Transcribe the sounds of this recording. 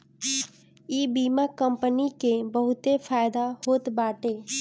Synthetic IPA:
iːbiːmakəmpənikebəɦʊt̪efʰaːjd̪ahoːt̪baːʈeː

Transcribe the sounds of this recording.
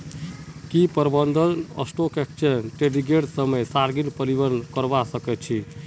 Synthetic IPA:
kipəɾbənd̪ʱələ̰sʈokekt͡ʃʰənʈeɾiɡeʈsəməjsaɾɡinpəɾibəɾnkəɾbasəkɛt̪t͡ʃʰi

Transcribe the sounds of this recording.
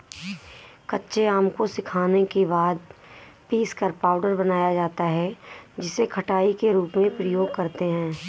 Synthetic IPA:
kɐtːʃeaːmkosɪkʰaːnekebaːd̪̚piːskɐɾpaːʊɖəɾbɐnaːjad͡ʒaːt̪aɦɛd͡ʒɪsekʰɐʈaːikeɾuːpmẽpɾəjoːɡ̚kɐɾt̪eɦɛ̃ː

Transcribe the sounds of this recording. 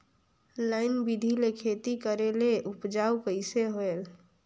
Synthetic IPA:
laɪnbid̪ʱilekʰet̪ikəɾeleʔupd͡ʒauwkəɪseɦoel

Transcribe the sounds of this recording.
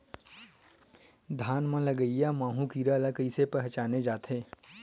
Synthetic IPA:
d̪ʱaːnmãlɐɡəijamãːɦũkiːɾaləkəisepɛɦt͡ʃaːned͡ʒaːt̪ʰeː

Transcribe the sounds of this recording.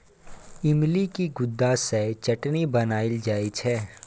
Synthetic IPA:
ɪmlikiɡʊd̪ːaset͡ʃɐʈnibɐnaːɪld͡ʒaːit͡ʃʰɛː

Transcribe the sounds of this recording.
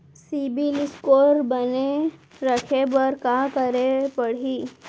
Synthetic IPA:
sibiliskoɾbəne | ɾəkʰebəɾkakəɾepəɽ̤iː

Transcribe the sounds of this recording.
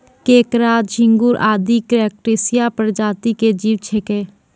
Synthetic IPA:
keːkɾaːt̪d͡ʒɪ̃ŋɡʊɾʔa̰ːd̪ikɾɛːk̚ʈeːsijapəɾd͡ʒaːt̪iked͡ʒiːʋt͡ʃʰekeː

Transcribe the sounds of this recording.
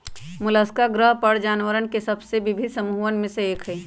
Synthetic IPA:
mʊləskaɡɾəɦpəɽd͡ʒaːnʋəɾənkesɐbsebɪbʱɪd̪ʱsəmuːənmẽseeːkɦeː

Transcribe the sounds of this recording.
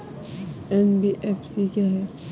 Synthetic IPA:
ɛnbiʔɛfsikaɦɛ

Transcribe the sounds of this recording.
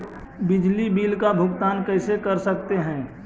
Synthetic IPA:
bɪd͡ʒlibiːlkabʱʊɡt̪aːnkəɪsekəɾsəkt̪eɦɛ̃ː

